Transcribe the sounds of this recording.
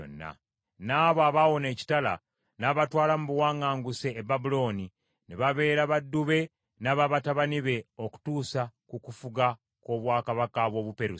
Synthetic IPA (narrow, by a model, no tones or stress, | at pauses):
o̰nːa̰ | naːβoaβawo̞ne̞ːci̥tala̰ | naβatwaːlamuβuwaːŋaːŋɡuseːbabulo̞ːni | neβaβe̞ːɾaβadːuβe̞ | naβaβataβaniβe̞oku̥tuːsakukufuɡa | ko̞βwaːkaβakaβwo̞ːβupe̞ɾu